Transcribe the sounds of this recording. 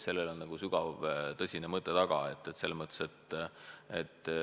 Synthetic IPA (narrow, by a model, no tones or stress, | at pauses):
se̞lːelo̞nnɑɡ̥usyɡ̥ɑvt̪ɤsʲinemɤt̪ˑːet̪ɑɡ̥ɑ̰e̞t̪ːet̪se̞lːsmɤt̪ːˑe̥set̪ː | et̪ːˑ